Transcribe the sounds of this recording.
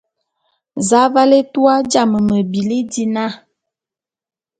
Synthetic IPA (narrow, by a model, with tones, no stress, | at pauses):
za˨˦va˦le˦tu˦a˦d͡ʒa˦˨mə˨mə˨bi˨li˦di˦na˦˨